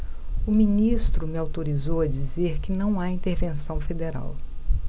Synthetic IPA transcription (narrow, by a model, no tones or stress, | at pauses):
ʊmĩnist̪ɾʊmɪawt̪oɾizowɐd͡ʒizeɾkɪnɐ̃w̃aĩnt̪eɾvẽsɐ̃w̃fed̪eɾa̰w